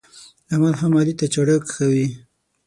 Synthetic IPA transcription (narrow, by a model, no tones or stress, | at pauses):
amalɦamalit̪at͡ʃaɽəkxawi